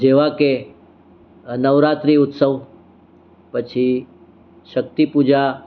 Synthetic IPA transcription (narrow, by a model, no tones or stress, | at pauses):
d͡ʒeʋake | nəʋɾat̪ɾiʊt̪səʋ | pət͡ʃʰi | ʃəkt̪ipud͡ʒa